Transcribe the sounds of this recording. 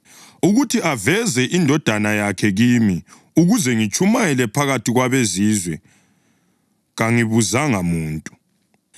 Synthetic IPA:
uɣutʰiʔavɛzɛʔindʱɔd̥ʱanajakʰɛɣimi | uɣuzɛŋit͡ʃʰʼumajɛlɛpʰaɣatʰiɣwaβezizwɛ | ɣaŋiβuzaŋamuːntʼu̥

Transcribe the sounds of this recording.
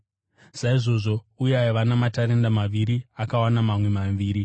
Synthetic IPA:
saiʐo̞ʐo̞ | ujajeʋanamataɾe̞ndamaʋiɾiakawanamamwe̞maʋiːɾi

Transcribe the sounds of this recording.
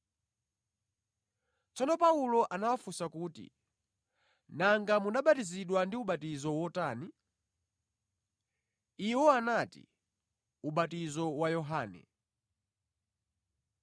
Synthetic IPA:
t͡sɔnɔpaulɔʔanawafusakuːtḭ | naŋɡamunaɓatiziɗwandiuɓatizɔwɔtaːni | iwɔanatḭ | uɓatizɔwajɔɦaːnɛ̰

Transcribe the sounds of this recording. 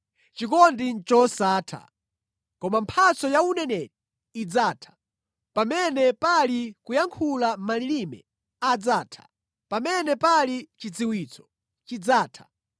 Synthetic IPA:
t͡ʃik̬ɔndint͡ʃɔsaːtʰa̰ | kɔmampʰat͡sɔjaunɛnɛti | id͡zaːtʰḁ | pamɛnɛpalikujaŋkʰulamalilimɛ̰ | ad͡zaːtʰḁ̰ | pamɛnɛpalit͡ʃid͡ziwiːt͡sɔ̥ | t͡ʃid͡zaːtʰḁ

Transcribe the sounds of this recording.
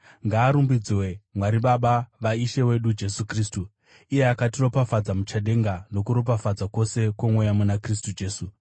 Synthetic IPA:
ŋɡaːɾumbid͡ziwe̞mwaɾiɓaɓaʋaiʃe̞we̞ɗud͡ʒe̞sukriːstu | ije̞akatiro̞pafad͡zamut͡ʃaɗe̞ŋɡano̞kuɾo̞p̬afad͡zako̞se̞kwomwejamunakris̬tud͡ʒe̞ːsu

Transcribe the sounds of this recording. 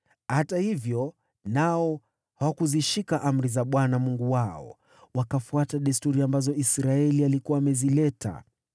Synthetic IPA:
hatahivjɔ | naɔ | hawakuziʃikaʔam̩ɾizaɓwanamuŋɡuwaɔ̰ | wakafuataɗistuɾiambazɔisɾaɛlialikuaːmɛzilɛta̰

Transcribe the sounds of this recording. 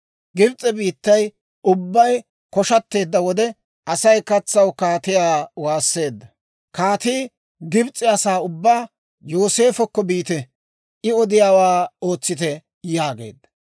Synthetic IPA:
ɡɪbt͡sʼːɛbiːt̪ːɐj | ʊbːɐj | kɔʃɐt̪ːe̞ːd̪ːɐwɔd̪ɛ | ʔɐsɐjkɐt͡sːɐwkaːt̪ɪjaːwaːsːe̞ːd̪ːɐ | kaːt̪iː | ɡɪbt͡sʼːɪɐsaːʊbːaː | joːse̞ːfɔkːɔbiːt̪ɛ | ʔɪɔd̪ɪjaːwaːo̞ːt͡sːɪt̪ɛ | jaːɡe̞̰ːd̪ːɐ̥

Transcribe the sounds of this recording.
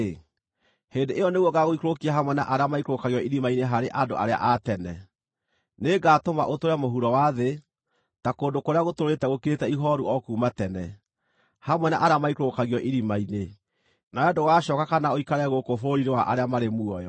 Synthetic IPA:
heːndeʔejɔneɣwɔɡaɣoikɾokiaɦamwɛna̰ʔaɾeamaikɾokaɣjɔʔiɾimaineɦaɾeʔado̰ʔa̰ɾea̰ʔatɛnɛ̰ | neːɡaːtomaʔotoɾɛmoɦuɾɔwaðe | takoːndokoɾeaɣotoɾoetɛɣokeetɛiɦɔɾuɔkuːmatɛnɛ | hamwɛnaʔaɾeamaikɾokaɣiɔʔiɾimaine | naɛdoɣaɕɔkakanaoikaɾɛɣokofoɾiɾewaʔaɾeamaɾemuɔjɔ

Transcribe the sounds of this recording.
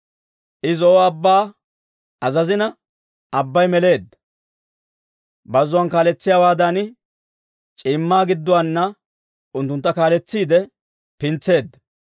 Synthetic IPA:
ʔɪzɔɔɐbːaː | ɐzɐzɪnɐ | ɐbːɐjmɛle̞ːd̪ːɐ | bɐzʊwɐnkaːlɛt͡sːɪjaːwaːd̪anɪ | t͡ʃʼiːmːaːɡɪd̪ːɔwanːɐ | ʊnt̪ːʊnt̪ːɐkaːlɛt͡sːiːd̪ɛ | pɪnt͡sːe̞ːd̪ːɐ

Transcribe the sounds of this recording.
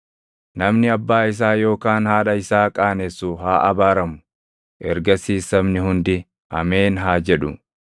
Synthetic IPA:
nɐmnɪɐbːaːɪs̬aːjo̞ːkaːnhaːᶑɐɪsaːkʼaːnɛsːʊɦaːʔɐbaːɾɐmʊ̥ | ʔɛɾɡɐsiːsːɐmnɪhʊnd̪ɪ | ɐ̰meːnɦaːd͡ʒɛᶑʊ̰

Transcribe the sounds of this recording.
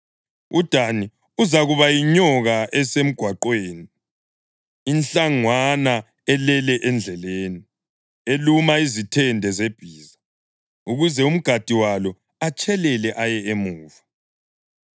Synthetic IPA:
ud̥ʱani | uzaɣuβajiɲɔɣaʔɛsem̩ɡ̥ʱwaǃweːni | inɬaŋwana | ɛlɛlɛʔɛnd͡ɮʱɛleːni | elumaizitʰɛndʱɛzeb̥ʱiːza | uɣuzɛum̩ɡ̥ʱad̥ʱiwalɔ | at͡ʃʰʼɛlɛlɛʔajɛemuːva

